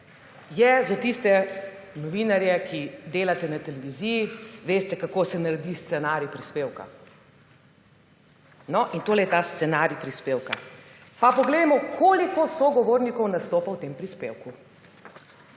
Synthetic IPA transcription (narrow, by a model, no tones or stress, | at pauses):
jɛzat̪ist̪ɛnɔʋiːnaɾjɛkʰid̪eːlat̪ɛnat̪ɛlɛʋiziːjiʋeːst̪ɛkakoːsɛnaɾɛd̪ist̪sɛnaːɾjipɾispeːwka̰ | nɔʔint̪oːlɛjɛt̪ast̪sɛnaːɾjipɾispeːwkapapɔɡled̪amɔkʰoːlikɔsɔɡɔʋoːɾnikɔwnast̪oːpawt̪eːmpɾispḛwku